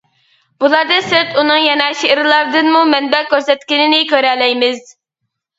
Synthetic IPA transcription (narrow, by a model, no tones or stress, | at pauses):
b̥ulˠɑɾd̪ɨsɨɾt̪unɨŋjɛnɑʃeʔɾɨlˠɑɾd̪ɨnmumɛnbɛkʲøɾsɛt̪kʲinɪnɪkʲøɾɛlɛjmɪz